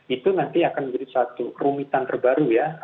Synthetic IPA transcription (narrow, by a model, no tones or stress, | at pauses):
it̪unant̪iakanməd͡ʒadisat̪urumit̪ant̪ərbaɾuja